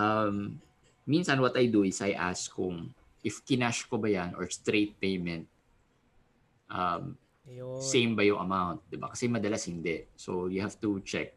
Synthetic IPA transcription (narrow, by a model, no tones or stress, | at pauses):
ʔɐmː | insɐnwɐt̪ɐjd̪uɪsʔɐjʔa̰skʊŋ | ʔɪfkɪnaʃkobɐjanʔɔ̰ɹst̪ɾejt̪̚pejmɛ̃nt̪̚ | ʔɐm | sẽjmbɐjʊŋʔɐmawnt̪̚d̪ɪba̰kɐ̥sɛmɐd̪ɐlashɪnd̪ɛʔsojʊhav̥t̪ut͡ʃɛ̰k̚